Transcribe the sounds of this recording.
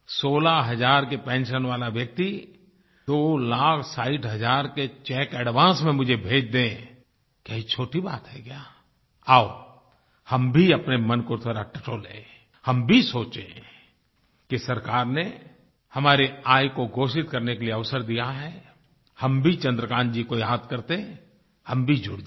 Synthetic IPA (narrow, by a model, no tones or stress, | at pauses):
soːlaɦɐzaːɾkepɛ̃ːnʃənʋaːlaʋjək̚t̪i | d̪oːlaːkʰsaːiʈɦɐd͡ʒaːɾket͡ʃɛːkɛɽʋãːsmẽmʊd͡ʒʱebʱeːd͡ʒd̪ẽ | kɛɦit͡ʃʰoːʈiba̰ːt̪ɦɛkjaː | aːo | hɐmbʱiɐpnemənkot̪ʰəɾaʈɐʈolḛ̃ː | hɐmbʱisoːt͡ʃḛ̃ | kisɐɾkaːɾne | hɐmaːɾeaːjkoɡoːʃɪt̪kɐɾnekelieɐʋsəɾd̪ijaɦɛ | hɐmbʱit͡ʃɐ̃nd̪ɾəkãːnd͡ʒikoijaːd̪kɐɾt̪eɛ̃ | hɐmbʱid͡ʒʊɽd͡ʒ